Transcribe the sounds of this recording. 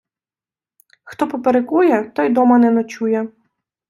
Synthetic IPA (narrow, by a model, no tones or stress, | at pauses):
xt̪ɔpɔpeɾekujɛt̪ɔjd̪ɔmɐnɛnɔt͡ʃujɛ